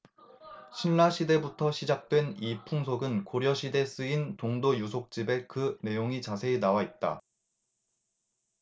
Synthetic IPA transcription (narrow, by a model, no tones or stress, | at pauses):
ɕʰinːaɕʰide̞butʰʌɕʰid͡ʑak̚t͈we̞nipʰuŋsʰoɡɯnkoɾjʌɕʰide̞s͈ɯintoŋdojusʰok̚t͡ɕ͈ibe̞kɯne̞joŋit͡ɕasʰe̞ːnawait̚t͈a̰